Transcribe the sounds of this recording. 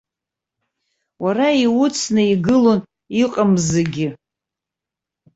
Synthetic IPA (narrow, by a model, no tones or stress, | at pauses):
waraiwʊt͡sʰnɨiɡɨlo̞n | iqʼamzɨɡʲɪ